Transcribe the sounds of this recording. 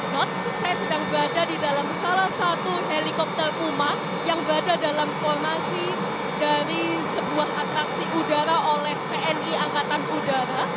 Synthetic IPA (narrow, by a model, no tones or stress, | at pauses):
dɔt̪̚ | sajasədaŋbɾadadidalamsalahsat̪uɦelikɔp̚t̪ərkuma | jaŋbɾadadalamfɔrmasi | daɾi | səbuaɦat̪ɾaksiʔudaɾaʔolɛhpeʔɛniaŋkat̪anudaɾa